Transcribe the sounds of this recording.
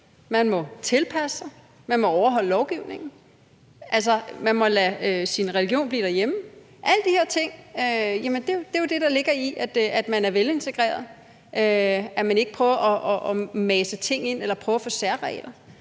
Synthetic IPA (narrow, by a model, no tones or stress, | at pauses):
mænmɒ̽t͡sʰe̝lpʰæsə̥sɑɪ | mænmɒ̽ɒʊɐɦɒ̽l̰əlɒʊɡ̥iʊne̝ŋn̩ | ʔæls̬ɐmænmɒ̽læøsinʁɛliɡ̥jo̝̰ːnb̥lḭːd̥æɐjemə | ʔæl̰əd̥iheɐ̰t͡sʰe̝ŋ̰øjæmənd̥e̝d̥e̝jod̥e̝ɾ̥ɑ̈le̝ɡ̥ɐiʔæd̥æd̥mænæɐʋele̝nt͡sʰe̝ɡ̥ʁɛ̰ːɐð̩ˠ | ʔøæɐmæne̝ɡ̥ə̥pʰʁœːʊʔɒ̽ʔɒʔːmɛːsət͡sʰe̝ŋ̰e̝n̰elɐpʰʁœʊɐfɔ̽sæɐʁɛ̰ːlɐ